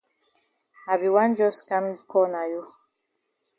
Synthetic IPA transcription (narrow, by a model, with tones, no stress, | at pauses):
ha˨bi˨wã˦n˦d͡ʒɔ˦ska˦m˦kɔ˦˨na˨jo˦